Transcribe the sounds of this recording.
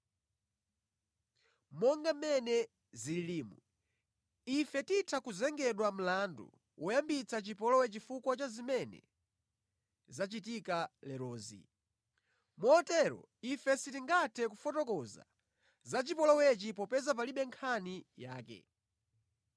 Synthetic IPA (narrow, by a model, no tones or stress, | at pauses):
mɔŋɡamɛnɛ | zililiːmu | ifɛtitʰakuzɛŋɡɛɗwam̩landṵ | wʔɔjambit͡sʰat͡ʃipɔlɔwɛt͡ʃifukwat͡ʃazimɛnɛ̰ | zat͡ʃit̬ikalɛɾɔːzḭ | mɔɔtɛɾɔ̰ | ifɛsitiŋɡatʰɛkufɔtɔkɔza̰ | zat͡ʃipɔlɔwɛt͡ʃipɔpɛzap̬aliɓɛŋkʰanijaːkɛ̰